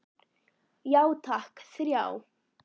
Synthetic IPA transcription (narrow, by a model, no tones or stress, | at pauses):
jawt̪ʰɑhkḁsiɾja̰w